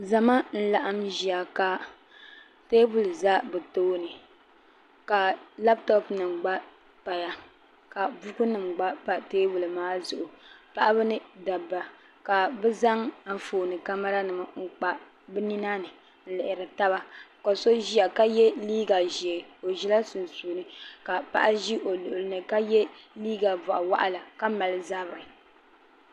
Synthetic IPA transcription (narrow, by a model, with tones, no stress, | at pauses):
za˨ma˦n̩˦la˨ʔa˦mʒi˨a˨ka˨ | teː˦bu˨lɨ˨za˦bɨ˨toː˦nɨ˨ | ka˨la˦b̚tɔ˦pnɨ˨mɡ͡ba˦ | pa˨ja˨ | ka˨bu˦ku˦nɨ˨mɡ͡ba˦pa˨teː˦bu˨lɨ˨maː˦zʊ˨ʔʊ˨pa˦ʔa˦bɨ˦nɨ˦da˨bːa˨ | ka˨bɛ˦za˦ŋa˨ɱ̩˨foː˨nɨ˨ka˦ma˦ɾa˦nɨ˨ma˨ŋ̩˦k͡pa˨ | bɨ˦ni˦na˦nɨ˨ | n̩˦lɪ˨ʔɪ˨ɾɨ˨ta˦βa˦˨ko˨so˦ʒi˦a˨ka˦jɛ˦liː˦ɡa˨ʒe˨o˨ʒi˦la˦su˨nsuː˨nɨ˦ka˨pa̰˦ʔa˦ʒi˦ʔo˨lʊ˨ʔʊ˨lɨ˦nɨ˨ka˦jɛ˦liː˦ɡa˨bʊ˨ʔa˨wa̰˦ʔa˦la˨ka˦ma˨lɨ˦za˦bɾɨ˨